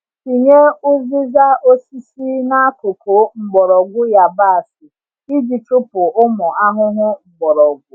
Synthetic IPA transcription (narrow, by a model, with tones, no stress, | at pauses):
i˨ɲe˦ʊ˦zi˦za˦ʔo˦si˦si˦na˦a˦ko˨kʰo˨˦ŋ͡m̩˨ɡ͡bɔ˨ɾɔ˨ɡʷʊ˦ja˨ba˦a˨sɪ˨ | i˦d͡ʒi˨tʊ˦pʊ˨ʔʊ˦mɔ˨a˦ŋʊ˦ŋʷʊ˦ŋ͡m̩˨ɡ͡bɔ˨ɾɔ˨ɡʷʊ˦